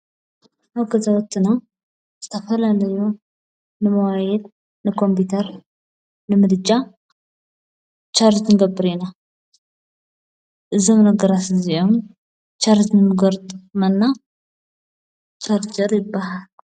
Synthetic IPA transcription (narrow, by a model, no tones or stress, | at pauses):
awɡəzawɔt̪ʰːɨnaw | zə̥t̪ʰəfəlaləju | nɨməwajɛd̪ | nəkʰo̞mput̪ʰəɾ | nɨmɨd̪d͡ʒa | t͡ʃaɾd͡ʒɨnɡəbːɨɾena | ʔɨzəmnəɡəɾasɨziom | t͡ʃaɾd͡ʒɨnmɨɡəɾt̪ʼmənːa | t͡ʃaɾd͡ʒəɾjɪbːahal